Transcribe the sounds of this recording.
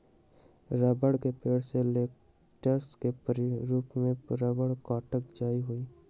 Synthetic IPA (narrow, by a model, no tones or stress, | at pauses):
ɾəːbəɽkepeːɽseleːk̚ | ʈəɾskepəɾɾuːpmẽpɾaːbəɽkɔːʈək̚d͡ʒaːiɦʊiː